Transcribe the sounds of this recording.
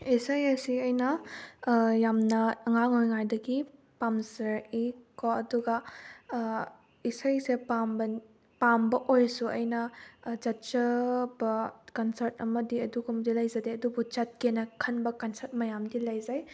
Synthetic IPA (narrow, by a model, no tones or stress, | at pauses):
isɐjɐsiɐjnɐ | jamnɐːŋaŋojŋajdɐɡi | pamsɐɾikkoɐduɡɐ | isɐjsepambɐ | pambɐʔojsuɐ̰jnɐd͡ʒɐt̚t͡ʃɐbɐkɐnsɐɾtɐmɐdiɐduɡumdilɐjzɐdeɐdubut͡ʃɐt̚kenɐkʰɐnbɐkɐnsɐɾt̚mɐjamdilɐjzaj